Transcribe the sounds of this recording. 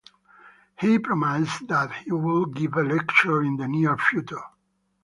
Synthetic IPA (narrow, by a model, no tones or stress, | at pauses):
hipʰɹɔmaɪsðæthiwɪlˠɡɪvəlɛkt͡ʃə˞ɪ̃nðəniəɹfjutə˞